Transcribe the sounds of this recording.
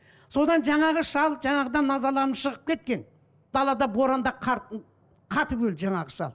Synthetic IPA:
so̞d̪ɑnʒɑɴɑʁəʃɑlˠʒɑɴɑʁəd̪ɑnːɑzɑlˠɑnəʃəʁəp̚kʲʰe̞t̪̚kʲe̞n | d̪̥ɑlˠɑd̪ɑboɾɑnd̪ɑqʰɑɾt̪ | qʰɑt̪əbɵlʒɑɴɑʁəʃɑ̰lˠ

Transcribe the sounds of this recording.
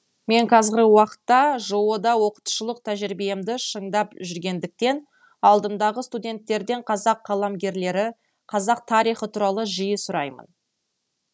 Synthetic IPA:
me̞ɴqʰɑzɾʲɪwɑqə̥t̪ːɑʒowod̪ɑwo̞qə̥t̪u̥ʃəlˠəq̚t̪ʰæʒɾibejmd̪ɪʃəɴd̪ɑpʒʏɾɡʲe̞nd̪ɪk̚t̪e̞n | ɑlˠd̪əmd̪ɑʁəst̪ud̪ʲe̞nt̪ːe̞ɾd̪e̞ɴqʰɑzɑqːɑlˠɑmɡʲe̞ɾle̞ɾɪ | qʰɑzɑq̚t̪ʰɑɾijχət̪ʰuɾɑlˠəʒijəsʊɾɑjmə̰n

